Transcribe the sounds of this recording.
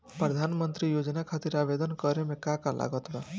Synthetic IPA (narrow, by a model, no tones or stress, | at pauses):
pɾɔd̪ʱanmɔnt̪ɾijod͡ʒɔnakʰat̪iɾabed̪ɔnkɔɾemekakalʔa̰ɡɔt̪ba